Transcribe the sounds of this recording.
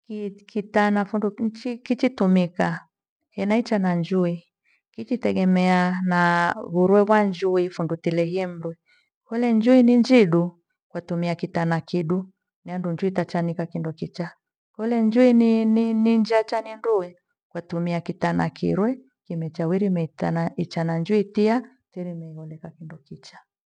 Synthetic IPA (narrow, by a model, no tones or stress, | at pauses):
kikitanafundut͡ʃikit͡ʃitumika | hɛnait͡ʃanand͡ʒui | kit͡ʃitɛɡɛmɛanaβuɾwɛβwand͡ʒuifundutilɛhiɛm̩ɾwɛ | kɛlɛnd͡ʒuiniɲd͡ʒiɗu | kwatumiakitanakiɗu | niandund͡ʒuitat͡ʃanikakindɔkit͡ʃa | kɔlɛnd͡ʒuinnind͡ʒiat͡ʃanindui | kwatumiakitanakʰḭɾwɛ | kimɛt͡ʃawiɾimɛtait͡ʃanand͡ʒuitia | tiɾimɛiɔlɛkakindɔkit͡ʃḁ